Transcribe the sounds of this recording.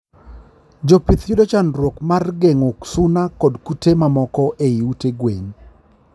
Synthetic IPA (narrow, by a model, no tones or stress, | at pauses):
d͡ʒopit̪judot͡ʃanɾwokmarɡeŋoksunakɔdkutemamɔkɔʔeiuteɡweɲ